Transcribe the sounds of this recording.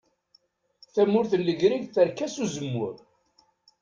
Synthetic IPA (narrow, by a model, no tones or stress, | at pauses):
θæmːʊɾθəlːəʝɾiʝθəɾkæsuzəmːʊ̰ɾ